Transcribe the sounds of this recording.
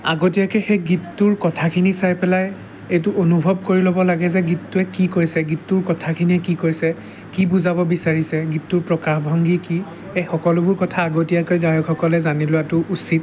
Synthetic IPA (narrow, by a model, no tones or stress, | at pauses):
a̰ɡotijakɛxɛɡitːʊɹkɔtʰakʰinisajpɛlaj | ejtʊʔonubʱɔb̚koɹilobɔlaɡɛzɛɡitːʊɛkikojsɛɡitːʊɹkɔtʰakʰiniɛkikojsɛ | kibuzabɔbisaɹisɛɡitːʊɹpɹɔkaxbʱɔŋɡiki | ejxɔkɔlʊbʊɹkɔtʰaːɡotijakojɡajɔkʰɔkɔlɛzanilʊwatʊʔusit̚